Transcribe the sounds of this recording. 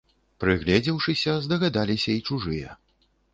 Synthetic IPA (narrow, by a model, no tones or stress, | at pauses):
pɾɨɣlʲɛd͡zʲiwʂɨsʲɐzd̪ɐɣad̪alʲisʲɐit͡ʂuʐɨjɛ̰